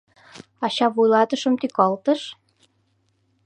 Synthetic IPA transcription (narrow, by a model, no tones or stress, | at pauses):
ɑɕɑβujlɑt̪əʃə̆mt̪ykɑlt̪əʃ